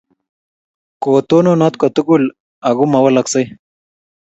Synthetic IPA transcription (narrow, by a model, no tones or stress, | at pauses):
kot̪oːnonat̪kɐt̪uɡul | aɣumɐwɐlɐksɐj